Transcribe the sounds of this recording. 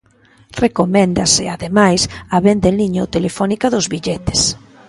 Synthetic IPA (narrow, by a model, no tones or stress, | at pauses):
rekomɛ̃nd̪asɪaðemajsaβend̪eliɲot̪elefɔnikaðʊzβiʎɛt̪ɪ̥s